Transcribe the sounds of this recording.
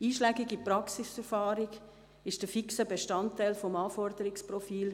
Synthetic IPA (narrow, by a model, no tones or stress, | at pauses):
iːʃlæːɡɪɡipɾɑksisɛɾfaːɾiɡ | ɪʃd̥əfiksəbeʃtɑntːaɪlfɔmaːfɔɾdəɾɪksprɔfiːl